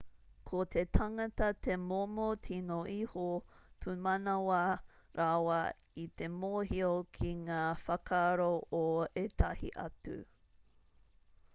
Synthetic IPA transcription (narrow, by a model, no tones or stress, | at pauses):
kʰot̪ʰetʰɐŋɐtɐtʰemomotʰinoʔihopʰumɐnɐwɐ | ɾʔawɐ | it̪emoɦiokʰiŋaːfɐkʰaɾoʔoet̪ʰɐhḭʔɐ̰tṵ